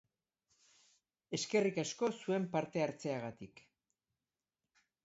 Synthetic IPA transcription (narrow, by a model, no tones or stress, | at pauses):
e̞ske̞rikasko̞sue̞mpaɾt̪e̞aɾt͡se̞aɣ̞at̪ik